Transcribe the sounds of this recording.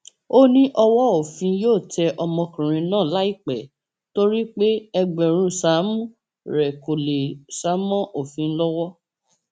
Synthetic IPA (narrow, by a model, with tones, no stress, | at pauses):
o˦nĩ˦ʔɔ˧wɔ˦o˦˨fĩ˧joː˦˨tɛ˧ʔɔ˧mɔ̃˧kĩ˨ɾ̃ĩ˧˦nãː˦˨la˦i˦˨k͡pɛ˨ | to˦ɾi˦k͡pe˦ɛ˧ɡ͡bɛ˨ɾ̃ũ˧sa˨˦mũ˦ | ɾɛ˨ko˨le˨sa˨˦mɔ̃˦ʔo˨fĩ˧˦lɔ˦wɔ˦